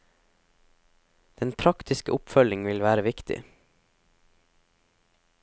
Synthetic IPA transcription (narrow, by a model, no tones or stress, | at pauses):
d̪̥ɛnpʰɾɑkt̪ʰɪskəʔʊpfœlɪŋʋɪlʋæːɾəʋɪkt̪ɪ̰